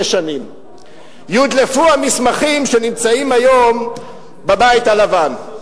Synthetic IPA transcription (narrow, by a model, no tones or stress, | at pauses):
eʃanim | jud̪lefuamismaχimʃenimt͡saimajo̞m | babait̪alavan